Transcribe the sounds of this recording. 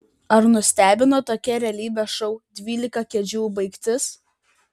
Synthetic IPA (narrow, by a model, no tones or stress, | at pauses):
ɐɾnʊsʲt̪ʲæːbʲɪnoːt̪oːkʲɛɾʲɛːlʲiːbʲɛʃɔʊd̪ʲʋʲiːlʲɪkɐkʲɛd͡ʒʲuːbɐɪkt̪ʲɪs